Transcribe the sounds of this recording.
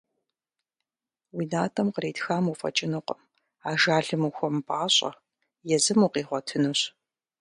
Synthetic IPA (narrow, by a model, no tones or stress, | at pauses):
wiːnaːtʰɐmqəɾeːtxaːmufʼɐ̰t͡ʃʼɪnɨqʷɔm | aːʒaːɮɨmuxʷɔmpʼaːɕʼɐ̰ | jɛzɨmuːqiːʁʷɔtʰɨnɨɕ